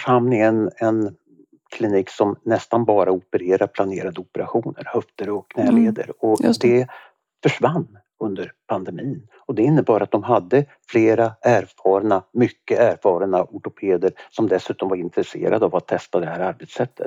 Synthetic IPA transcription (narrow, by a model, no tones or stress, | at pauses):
œʂamnɪŋənɛn | kʰlɪniːksɔmnɛst̪anbɑːɾaʊpəɾeːɾaɾpʰlaneːɾad̪əʊpəɾaɧuːnə̰ɾhœft̪əɾɔkʰːnɛːleːd̪ə̰ɾɔd̪ɛ | fœʂvanː | ɵnd̪əɾpʰand̪ɛmiːn | ɔd̪ɛɪnːəbɑːɾat̪̚d̪ɔmɦad̪ːə | fleːɾaæːɾfɑːɾnamʏkːəʔæːɾfɑːɾənaʔʊʈʊpʰeːd̪əɾsɔmd̪ɛsʉ̟ːt̪ɔmvaɾɪnt̪ɾɛsḛːɾa̰d̪əavat̪ʰːɛst̪ad̪ɛhæːɾaɾbɛt̪sɛt̪ʰːə̰t̪